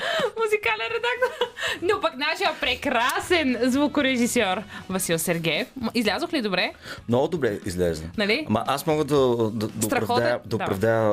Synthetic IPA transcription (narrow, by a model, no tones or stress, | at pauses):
muzikalʲɛnɾɛd̪ak̚t̪oɾnopɐknaʃijəpɾɛkɾasɛnzvukʊɾɛʒisøɾvɐsilˠsɛɾɡʲɛɛfmizlʲazoxlid̪obɾɛmnɔɡʊd̪obɾɛizlɛzə̰nɐlimɐ̰ʔasmɔɡəd̪ɐd̪ɐd̪sɐt̪ɾɐɾɐxɔd̪d̪ɐod̪apɾɐvd̪ajə